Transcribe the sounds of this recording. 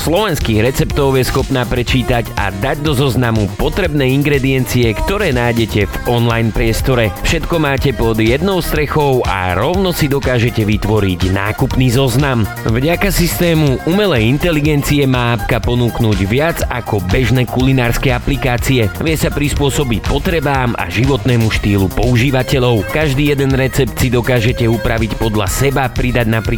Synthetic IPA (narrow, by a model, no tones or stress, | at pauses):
slɔʋɛnskiːɣɾɛt͡sɛpt̪ɔʊjɛsxɔpnaːpɾɛt͡ʃiːt̪aɟa̰d̪aɟd̪ɔzɔznamupɔt̪ɾɛbnɛːiŋɡɾɛd̪iɛnt͡siɛkt̪ɔɾɛːnajɟɛcɛvɔnlajnpɾɪɛst̪ɔɾɛfʃɛt̪kɔmaːcɛpɔd̪jɛd̪nɔʊst̪ɾɛxɔʊʔa̰ɾɔʊnɔsid̪ɔkaːʒɛcɛʋit̪ʋɔɾiɟna̰ːkupniːzɔznam | vɟakasist̪ɛːmuʔumɛlɛjint̪ɛliɡɛnt͡siɛmaːap̚kapɔnuːknuːɟʋɪad͡zakɔbɛʒnɛkulinaːɾskɛaplikaːt͡siɛʋɪɛsapɾispʊɔsɔbipɔt̪ɾɛbaːma̰ʒiʋɔt̪nɛːmuʃt̪iːlupɔuʒiːʋacɛʎɔʊkaʒd̪iːjɛd̪ɛnɾɛt͡sɛp̚t̪sid̪ɔkaːʒɛcɛupɾaʋicpɔd̪la̰sɛbapɾid̪aɟnapɾi